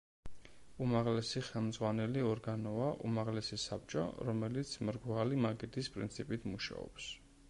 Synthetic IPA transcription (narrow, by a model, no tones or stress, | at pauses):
umaʁlɛsiχɛlˠmd̪zʁwanɛliɔɾɡanɔaʔṵmaʁlɛsisap̚t͡ʃʼɔ̰ɾɔmɛlit̪sʰmɾɡvalimaɡɛd̪ispʼɾint̪sʰipʼit̪ʰmuʃa̰ɔ̰ps